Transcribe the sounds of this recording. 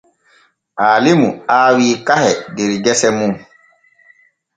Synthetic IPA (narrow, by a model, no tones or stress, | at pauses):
ʔaːlimuaːwiːkahɛdeɾiɡɛsɛmuŋ